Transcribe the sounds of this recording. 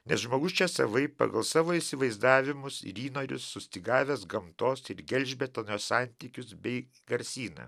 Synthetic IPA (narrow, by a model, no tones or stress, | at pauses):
nʲɛsʒmoːɡʊst͡ʃʲɛsɐ̰ʋɐɪpɐ̰ɡɐlˠsɑːʋoːisʲɪʋɐɪzd̪ɑːʋʲɪmʊsɪ̰ɾiːnoːɾʲʊ̰sːʊsʲt̪ʲiɡɑːʋʲeːsɡɐmt̪oːsɪɾɡʲɛlʲʒʲbʲɛt̪ɐnʲoːsɑˑnʲt̪ʲiːkʲʊsbʲɛɪ | ɡɐɾʲsʲiːnɐ̰ː